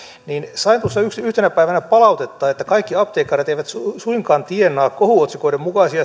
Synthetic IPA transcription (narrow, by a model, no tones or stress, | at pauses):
niːnsɑint̪uosːɑyksyht̪enæpæiʋænæpɑlɑut̪et̪ːɑːet̪ːækɑikːiɑp̚t̪eːkːɑret̪eiʋæt̪ssuiŋkɑːnt̪ienːɑːkkohuot̪sikoiɾemukɑisiɑ